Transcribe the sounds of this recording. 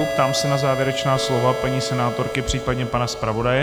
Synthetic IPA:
pt̪aːmsɛnazaːvjɛɾɛt͡ʃnaːslo̞vapaɲiːsɛnaːt̪o̞ɾkɪpr̥iːpadɲɛpanaspɾavo̞dajɛ

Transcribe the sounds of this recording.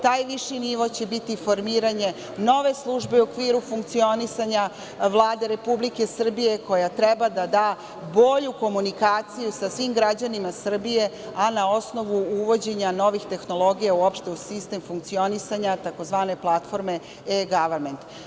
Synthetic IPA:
t̪aːjʋiʃiniʋo̞t͡ɕe̞bit̪ifo̞ɾmiːɾaɲe̞ | no̞ʋe̞slˠuʒbeuokʋiːɾufuŋkt̪sio̞nisaɲa | ʋlˠaːd̪e̞ɾe̞publike̞sr̩bije̞ko̞jat̪ɾebad̪ad̪aː | bo̞ʎuko̞munikaːt̪sijusasʋimɡɾad͡ʑanimasr̩bije̞ | anao̞sno̞ʋuuʋo̞d͡ʑe̞ɲano̞ʋixt̪e̞xno̞lˠo̞ɡijauo̞pʃt̪eusist̪e̞mfuŋk̚t̪sio̞nisaɲat̪ako̞zʋaːne̞plˠat̪fo̞ɾme̞ | eɡaʋɾme̞nt̪

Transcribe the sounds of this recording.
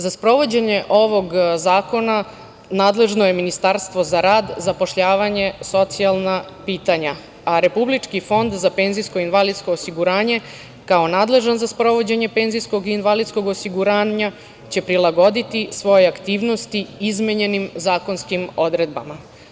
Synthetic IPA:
zaspɾo̞ʋo̞d͡ʑe̞ɲe̞ʔo̞ʋo̞ɡzaːko̞na | naːd̪le̞ʒnoje̞minist̪aɾst̪ʋo̞zaɾaːd̪zapo̞ʃʎaːʋaɲe̞so̞t̪sialˠnapiːt̪aɲa | aɾe̞publit͡ʂkifo̞nd̪zape̞ːnziskoinʋalid̪sko̞ːsiɡuɾaːɲe̞ | kao̞naːd̪le̞ʒanzaspɾo̞ʋo̞d͡ʑe̞ɲe̞pe̞ːnzijsko̞ɡinʋalid̪sko̞ɡosiɡuɾaːɲa | t͡ɕe̞pɾilˠaɡo̞d̪it̪isʋo̞jeakt̪iːʋno̞st̪iizmeɲe̞nimzaːko̞nskimo̞d̪ɾe̞d̪̚ba̰ma

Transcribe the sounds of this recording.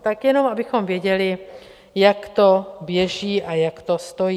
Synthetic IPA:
t̪akjɛnomabɪxomvjɛɟɛlɪ | jakt̪objɛʒiːʔajakt̪ost̪ojiː

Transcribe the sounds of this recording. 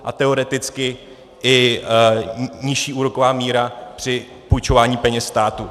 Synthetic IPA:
ʔa̰t̪ɛo̞ɾɛt̪ɪt͡skɪ | ʔɪ | ɲɪʃiːʔuːɾo̞ko̞vaːmiːɾapr̥ɪ | pujt͡ʃo̞vaːɲiːpɛɲɛsst̪aːt̪u

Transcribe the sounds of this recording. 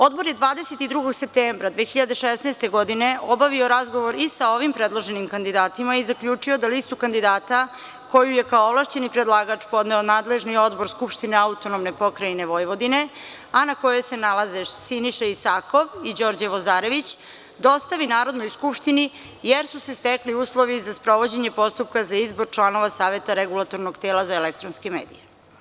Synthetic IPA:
o̞d̪bo̞ɾje̞d̪ʋaːd̪eset̪id̪ɾuɡo̞ɡse̞p̚t̪eːmbɾad̪ʋeːxiʎad̪eʃesnajst̪e̞ɡo̞d̪ine̞ʔobaʋio̞ɾazɡo̞ʋo̞ɾisao̞ʋimpɾed̪lˠo̞ʒe̞nimkand̪id̪aːt̪imaizakʎuːt͡ʂiod̪alist̪ukand̪id̪aːt̪a | ko̞jujekaooʋlˠaʃt͡ɕe̞nipɾed̪lˠaːɡat͡ʂpo̞d̪neonaːd̪le̞ʒnio̞d̪bo̞ɾskupʃt̪ineaut̪o̞nomne̞po̞kɾajne̞ʋo̞jʋo̞d̪ine̞ | anako̞jese̞nalazeʃsiniʃaisako̞ʋid͡ʑo̞ɾd͡ʑeʋozaːɾe̞ʋit͡ɕ | d̪o̞st̪aʋinaːɾo̞d̪no̞jskupʃt̪ini | jeɾsusest̪ekliuːslˠo̞ʋizaspɾo̞ʋo̞d͡ʑe̞ɲe̞po̞st̪up̚kazaizbo̞ɾt͡ʃlˠano̞ʋasaːʋe̞t̪aɾeɡulˠat̪o̞ɾnoɡt̪eːlazaelek̚t̪ɾonske̞meːd̪ḭje

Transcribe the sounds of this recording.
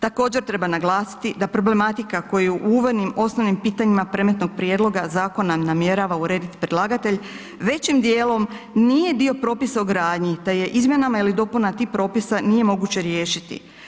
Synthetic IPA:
t̪ako̞ːd͡ʑe̞ɾt̪ɾe̞banaɡlˠaːsi̥t̪id̪apɾo̞ble̞mat̪ikako̞juʔuːʋoɾnimo̞sno̞ʋnimpiːt̪aɲimapɾe̞met̪no̞ɡ̚pɾjed̪lˠo̞ɡazaːko̞nanamje̞ɾaʋauɾe̞ːd̪it̪i̥pɾelaːɡat̪e̞ʎ | ʋe̞t͡ɕimd̪jeːlˠo̞m | nije̞d̪io̞pɾo̞ːpisauɡɾaːd̪ɲit̪eje̞ʔizmje̞namailid̪o̞punat̪iːpɾo̞ːpisanije̞mo̞ɡut͡ɕe̞ɾjeːʃit̪ḭ

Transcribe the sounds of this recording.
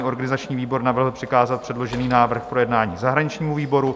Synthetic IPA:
ʔo̞ɾɡanɪzat͡ʃɲiːviːbo̞ɾnavr̩ɦl̩pr̥ɪkaːzat̪̚pr̥ɛdlo̞ʒɛniːnaːvr̩xpɾo̞jɛdnaːɲiːzaɦɾaɲɪt͡ʃɲiːmuviːbo̞ɾu

